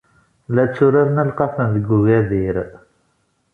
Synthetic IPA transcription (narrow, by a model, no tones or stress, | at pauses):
læt͡sːʊɾaɾnælqɑfənðəɡːuɣæðiɾ